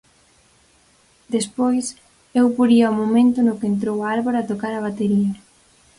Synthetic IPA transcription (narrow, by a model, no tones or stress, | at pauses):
d̪espojs | ewpoɾiawmomẽnt̪ʊnʊkent̪̬ɾowaalβoɾat̪okaɾɐβ̞at̪eɾia